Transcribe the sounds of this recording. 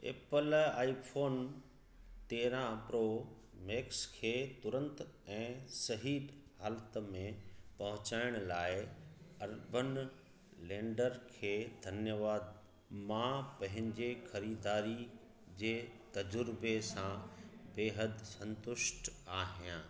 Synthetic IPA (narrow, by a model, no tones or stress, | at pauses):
ḛːpəlaːipʰoːn | t̪eːɾãpɾoː | meːkskʰeːt̪ʊɾə̃nt̪ɛ̃ːsɐɦiːɗhaːlt̪mẽpɐɦʊ̃t͡ɕaːɪɽ̃laːɪɐɾbən | lẽːɳɖəɾkʰeːd̪ʱɐnjəʋaːd̪ | mãpɐ̃ɦɪ̃ɲd͡ʑexɐɾiːd̪aːɾi | d͡ʑeːt̪ɐd͡ʑʊɾbesãbeːɦəd̪sɐ̃nt̪ʊʃʈaːɦijãː